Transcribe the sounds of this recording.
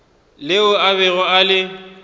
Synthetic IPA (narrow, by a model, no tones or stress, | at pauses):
lɪʊaβɛɣɔalɪ